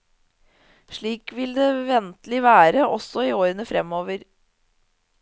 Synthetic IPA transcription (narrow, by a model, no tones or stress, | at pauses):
ʂɭiːkʋɪld̪eːʋɛnt̪lɪʋæːɾəʔɔsɔiːoːɾənəfɾɛmoːʋəɾ